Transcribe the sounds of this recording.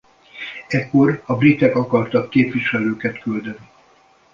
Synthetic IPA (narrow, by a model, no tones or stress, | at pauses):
ɛkːo̞rɒbrit̪ɛkɒkɒrt̪ɒkːeːpʋiʃɛløːkɛt̪kyld̪ɛni